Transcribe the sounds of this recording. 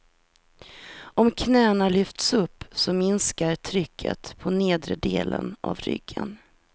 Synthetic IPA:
ɔmkʰnɛːnalʏft̪sɵpːsɔmɪnskaɾt̪ʰɾʏkʰːə̰t̪pʰɔneːd̪ɾəd̪eːlənʔavɾʏ̰ɡːən

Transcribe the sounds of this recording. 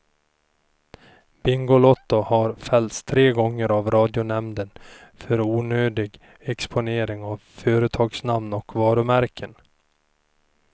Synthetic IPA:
b̥ɪŋɡʊlɔt̪ːʊhaɾfɛlt̪st̪ʰːɾeːɡɔŋːəɾavɾɑːd̪jʊnɛmd̪ənfœɾuːnøːd̪ɪɡ | ɛkspʊneːɾɪŋavfœːɾət̪ʰɑːɡsnamnɔkvɑːɾɵmæɾkʰən

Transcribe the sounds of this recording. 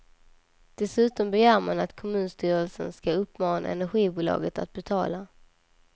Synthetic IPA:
d̪̥ɛsʉ̟ːt̪ɔmbɛjæːɾmanat̪kʰɔmʉ̟ːnst̪yːɾəlsənskaɵpːmɑːna̰ɛnæɾɧiːbuːlɑ̰ːɡət̪at̪̚bɛt̪ʰɑːla

